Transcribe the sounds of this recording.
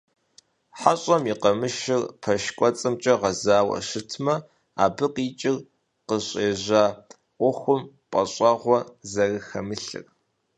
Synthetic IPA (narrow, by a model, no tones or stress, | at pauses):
ħaɕʼɐmiːqɐmɨʃɪrpʰɐʃkʷʼɔt͡sʼɨmt͡ʃʼɐʁɐzaːwɐ̰ʃɨtʰmɐ | a̰ːbɨqiːt͡ʃʼɪr | qəɕʼeːʑaː | ʔʷʊxʷʊm | pʼɐɕʼɐʁʷɔzɐrɨxɐmɨɬɨ̰r